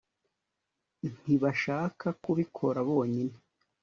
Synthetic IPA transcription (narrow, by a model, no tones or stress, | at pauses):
nn̥iβaʃaːkakuβikʰo̞ɾaβo̞ːɲine